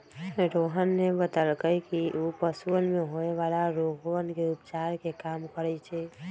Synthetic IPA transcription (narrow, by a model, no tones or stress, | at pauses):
ɾoɦənːebət̪əlkəjkiʔupəsuənmeɦoeʋalaɾoɦənkeupt͡ʃaɾkekamkəɾɛt͡ʃʰɛ